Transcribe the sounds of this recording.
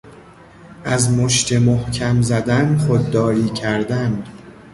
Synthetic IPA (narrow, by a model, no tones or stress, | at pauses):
ʔæzmoʃt̪ʰe̞mohcʰæmzæd̪ænxod̪ːɒːɾiːcʰæɾd̪ænd̪